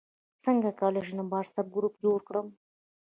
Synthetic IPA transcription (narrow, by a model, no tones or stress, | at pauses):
t͡səŋɡakɑleʒnabɑɾsab̚ɡɾupd͡ʒoɽkɽəm